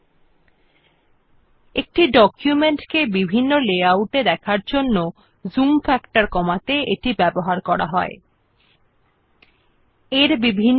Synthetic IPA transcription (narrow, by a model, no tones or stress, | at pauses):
ek̚ʈiɖɔkjumeɳʈkebibʱinːoleawuʈed̪ɛkʰaɾd͡ʑonːo | zumfɛkʈaɾkɔmat̪eʔeʈibɛboɦaɾkɔɾa̰ɦɔe | eɾbibʱin